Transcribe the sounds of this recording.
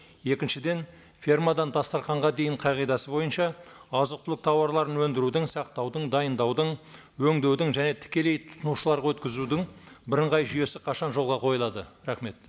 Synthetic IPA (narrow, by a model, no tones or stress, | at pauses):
je̞kʲɪnʃɪd̪e̞n | fʲirmad̪ɑnd̪ɑst̪ɑɾqɑɴʁɑd̪e̞jɪɴqʰɑjʁijd̪ɑsəbo̞jənʃɑɑzəq̚t̪ʏlɪk̚t̪ʰɑwɑɾlˠɑɾənwɵnd̪ɪɾud̪ɪŋsɑq̚t̪ɑwd̪əɴd̪ɑjənd̪ɑwd̪əɴ | wɵŋd̪e̞wd̪ɪŋʒæne̞t̪ʰɪ̥kʲe̞le̞jt̪ʰʊ̥snuʃəlˠɑɾʁɑwɵt̪kʲɪzud̪ɪŋbɪɾəɴʁɑjʒʏje̞sɪqʰɑʃɑnʒo̞lˠʁɑqʰo̞jəlˠɑd̪əɾɑχme̞t̪